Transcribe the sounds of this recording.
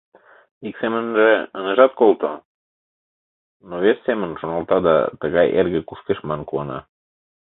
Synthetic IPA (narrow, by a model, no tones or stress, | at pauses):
iksemənʒeəneʒɑt̪̚kolˠt̪o | noβesːemənʃonɑlt̪ɑd̪ɑ̰t̪əɣɑjḛrɣĕkuʃkeʃmɑnkuɑnɑ̰